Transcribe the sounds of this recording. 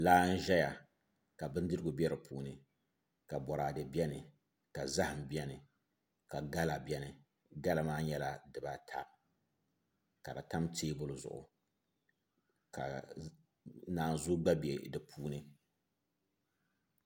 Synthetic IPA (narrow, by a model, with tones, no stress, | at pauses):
laː˦n̩˦ʒɛ˦ja˨ | ka˨bɨ˦n˦dɨ˦ɾɨ˦ɡʊ˨bɛ˦ɾɨ˨pʰuː˦nɨ˦ | ka˨bɔ˨ɾa˨dɨ˨bi˦ɛ˦nɨ˨ | ka˨za˦hɨ˨m̩˨bi˦ɛ˦nɨ˨ | ka˨ɡa˦la˨bjɛ˦nɨ˨ | ɡa˦la˨maː˦ɲɛ˦la˨dɨ˨ba˦tʰa̰˦ | ka˨dɨ˨ta˦mtʰeː˦bʊ˦lʊ˨zʊ̰˨ʔʊ̰˨ | ka̰˨ | naː˨n˨zʊ˦ɡ͡ba˦be˨dɨ˨pʰuː˦nɨ˦